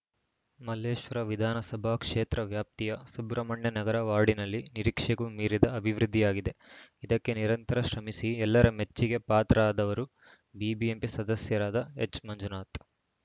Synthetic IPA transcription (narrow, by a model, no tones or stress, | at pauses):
mɐleːʃʋɐɾɐʋid̪ʱaːnɐsɐbʱaːkʂeːt̪ɾɐʋjaːp̚t̪ijɐsubɾɐmɐɳjɐnɐɡɐɾɐʋaːɽinɐlːiniɾiːkʂɐɡumiːɾid̪ɐːbʱiʋɾud̪ʱːijaːɡid̪e̞id̪ɐkːe̞niɾɐnt̪ɐɾɐʃɾɐmisiɛlːɐɾɐmet͡ʃːiɡe̞paːt̪ɾɐaːd̪ɐʋɐɾu | biːbiempisɐd̪ɐsjɐɾaːd̪ɐet͡ʃːmɐɲd͡ʒunaːt̪